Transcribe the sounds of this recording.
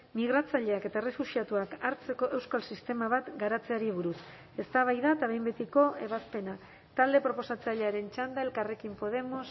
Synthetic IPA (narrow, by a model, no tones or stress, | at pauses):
miɣ̞ɾat͡saʎe̞aket̪aere̞fusiat̪uakaɾt͡se̞ko̞ʔe̞wskalsist̪e̞maβat̪ɡaɾat͡se̞aɾiβ̞uɾus | e̞st̪aβ̞ajðaet̪aβe̞jmbe̞t̪iko̞e̞βaspe̞na | t̪ald̪e̞pɾo̞po̞sat͡saʎe̞aɾe̞nt͡ʃand̪ae̞lkare̞kimpo̞ð̞e̞mo̞s